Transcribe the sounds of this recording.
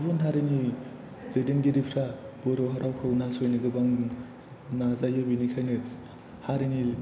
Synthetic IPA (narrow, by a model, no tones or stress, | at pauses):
bɔnɦaɾeni | dɯdenɡiɾipʰɾa | b̥ɯɾoɦaɾawkʰɯwnasojnɯɡɯbaŋ | nazajɯbinikʰajnɯ | haɾeni